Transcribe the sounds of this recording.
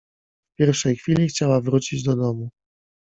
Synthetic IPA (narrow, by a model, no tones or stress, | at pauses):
pʲjɛɾfʂɛjxfʲilʲixt͡ɕawavɾut͡ɕid͡ʑd̪ɔd̪ɔmu